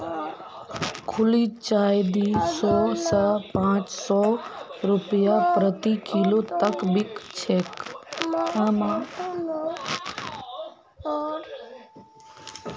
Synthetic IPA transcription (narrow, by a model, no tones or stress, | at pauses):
kʰʊliːt͡ʃaːjd̪isɔːsəpãːt͡ʃsɔːɾʊpjapɾət̪ikʰilot̪əkbɪkt͡ʃʰeːk | ama